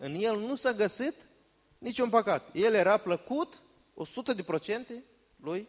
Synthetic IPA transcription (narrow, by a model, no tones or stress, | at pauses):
ɨnje̞lnusaɡəsit̪ | nit͡ʃʲunpəkat̪je̞lje̞ɾapləkut̪ | o̞sut̪əd̪e̞pɾo̞t͡ʃe̞nt̪e̞ | luj